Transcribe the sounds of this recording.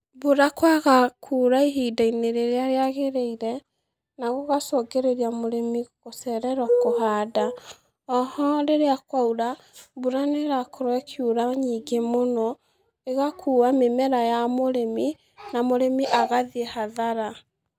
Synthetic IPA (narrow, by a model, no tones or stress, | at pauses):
buɾakwaɣakʰuːɾaiɦidaineɾeɾeaɾeaɣeɾeiɾɛ | naɣoɣasɔɡeɾeɾiamoɾemiɣosɛɾɛɾɔkohaːda | ɔhɔɾeɾeakwauɾa | buɾaneɾakoɾɔɛkʰjuɾaɲiːɡemonɔ | eɣakʰuːwamemɛɾajamoɾemi | namoɾemiʔaɣaðehaðaɾa